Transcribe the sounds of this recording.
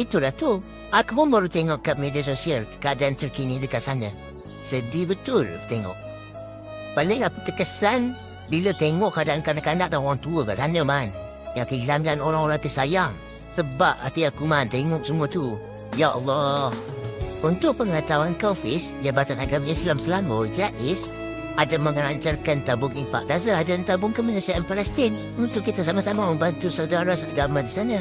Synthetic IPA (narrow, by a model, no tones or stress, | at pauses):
it̪uɾat̪u | akuuməɾut̪ɛŋɔʔkap̚medəs̬osiərkadant̪ərkinidəkasanə | sədibət̪ʊrt̪ɛŋɔ̰ʔ̚ | paliŋaut̪əkəsan | bilət̪ɛŋɔʔadankanakandaʔ̚daoɾaŋt̪uəkasanəman | jakəlamɡanoɾaŋoɾaŋt̪əsajam | səbap̚a̰t̪iakumant̪eŋɔʔ̚səmuət̪u | jaʔə̰lːɔhunt̪ʊʔ̚pəŋət̪awankafɪsjabat̪anaɡamislamsəlaməd͡ʒaʔɪs | adəməŋəɾaɲt͡ʃarkant̪abʊŋimpa̰ʔ̚ɡas̬əadənt̪abʊŋkəmənasiaʔənpalɛst̪ɪn | unt̪ʊʔkːit̪əs̬amasamaməmbant̪usawdaɾasaʔɡamadəsanə